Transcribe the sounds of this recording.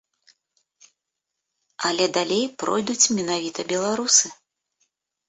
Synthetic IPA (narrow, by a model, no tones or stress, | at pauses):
ɐlʲɛd̪alʲejpɾɔ̰jd̪ut͡sʲmʲɛnavʲit̪ɐbʲɛlˠaɾusɨ